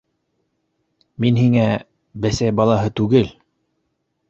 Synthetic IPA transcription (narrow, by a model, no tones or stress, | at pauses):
minhiŋæ | bæsæjbɑlˠɑɦɤt̪ʉɡɘl